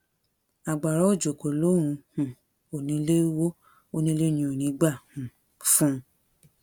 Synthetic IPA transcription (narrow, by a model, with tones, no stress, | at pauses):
a˨ɡ͡ba˨ɾɔ˨˦o˦˨d͡ʒo˨ko˨lo˨˦ɾũ˧hũ˨ | o˨nĩ˨˧˦le˦wo˦ | o˦nĩ˧˦le˦nĩ˧o˨nĩ˨˦ɡ͡ba˦˨hũ˨ | fũ˦˧